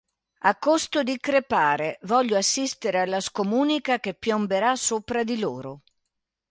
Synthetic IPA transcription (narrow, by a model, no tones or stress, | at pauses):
akːost̪ʊd̪ikɾepaːɾevɔʎːoasːist̪eɾealːaskomuːnikakepːjɔmbeɾasːoːpɾad̪ilo̰ːɾʊ